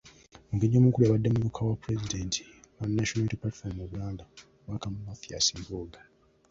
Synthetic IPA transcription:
ŋɡeɲːomukuliaβadːemuβukʰawapuɾezide̞ntʰi̥wanːaʃonaltipati̥faɾmuβlaːnda | wakamumafia̰siːmbuɡa

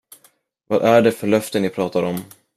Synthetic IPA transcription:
vɑd̪ʔæɖɛfœɭœft̪ənɪpʰɾɑːt̪aɾɔm

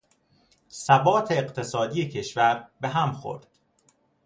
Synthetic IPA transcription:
sæbɒːt̪ʰeːɢt̪ʰe̞sɒːd̪iːjecʰe̞ʃvæɾbe̞ɦæmxo̰ɾd̪̥

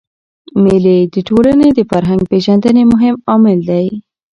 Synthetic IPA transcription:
meled̪əʈolaned̪əfaɾɦaŋɡ̚peʒand̪ənemʊɦɪmɑmɪld̪aji

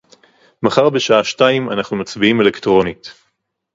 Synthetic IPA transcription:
maχaʁbeʃaaʃtaimanaχnumat͡sbiime̞lektʁo̞nit

